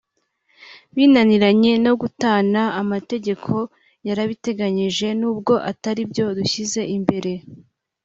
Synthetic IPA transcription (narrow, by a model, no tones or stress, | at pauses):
βiːnaniɾaɲe̞no̞ɡutaːnaːmate̞ɟe̞kʰo̞ | jaɾaβite̞ɡaɲiʒe̞nuːbɡo̞ʔataɾibjo̞duçize̞imbe̞ɾe̞